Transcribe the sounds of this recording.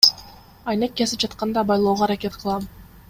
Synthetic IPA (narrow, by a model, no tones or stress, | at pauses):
ɑjnek̚ʲːezip̚d͡ʒɑt̪qɑnd̪ɑbɑjlˠoːʁoːɾakʲe̞t̪qʰɯlˠɑm